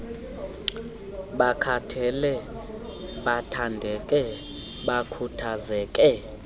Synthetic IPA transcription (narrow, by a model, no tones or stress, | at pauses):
ɓakʰatʰɛlɛ | ɓatʰandʱɛkʼɛ | ɓakʰutʰazɛːkʼɛ